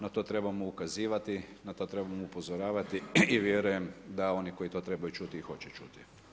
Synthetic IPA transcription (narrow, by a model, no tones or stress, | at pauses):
nat̪o̞t̪ɾe̞bamuukaziːʋat̪inat̪o̞t̪ɾe̞bamuupo̞zoɾaːʋat̪iiʋjeɾuje̞md̪ao̞niko̞jit̪o̞t̪ɾe̞bajut͡ʃut̪iixo̞t͡ɕɛt͡ʃṵt̪i